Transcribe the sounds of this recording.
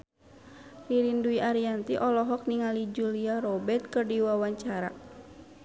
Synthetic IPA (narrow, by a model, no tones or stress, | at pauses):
riɾinduiʔaɾiant̪iʔɔlɔɦɔk̚niŋalid͡ʒuliaɾɔbɛrt̪̚kɨrdiwawaɲt͡ʃaɾa̰